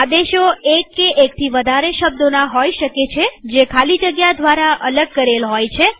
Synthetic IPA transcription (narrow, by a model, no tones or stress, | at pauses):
ad̪eʃoekːeʔek̚t̪ʰiʋəd̪ʱaɾeʃəb̚d̪onaɦojʃəket͡ʃʰed͡ʒekʰalid͡ʒəɡjad̪ʱʋaɾaʔələɡ̚kəɾelɦojt͡ʃʰe